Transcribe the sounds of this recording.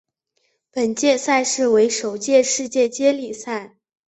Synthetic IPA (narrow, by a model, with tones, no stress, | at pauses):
pə˨˩nt͡ɕjɛ˥˧sa˥˧ɪʂɻ̩˥˩we˧˥ɪʂo˨˩ʊt͡ɕjɛ˥˧ʂɻ̩˥˧t͡ɕjɛ˥˩t͡ɕjɛ˥li˨˩sa˥˩ɪ